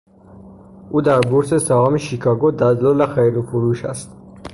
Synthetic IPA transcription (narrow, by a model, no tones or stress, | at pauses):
ud̪æɾbuɾsɛsaamiʃikʰɑɡɔd̪ad̪lɔlæχɛjɾupʰuɾuʃa̰st̪